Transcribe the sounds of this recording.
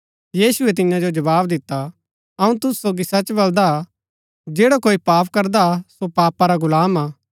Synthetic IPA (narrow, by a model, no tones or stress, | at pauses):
jiːsʊɛt̪ɪjãd͡ʒod͡ʒɐbaːbd̪ɪt̪ːa | ɐũt̪ʊssoːɡisɐt͡ʃbɐld̪a | d͡ʒeːɽakoːipaːpʰkɐɾd̪asopaːpaɾaɡʊlaːmaː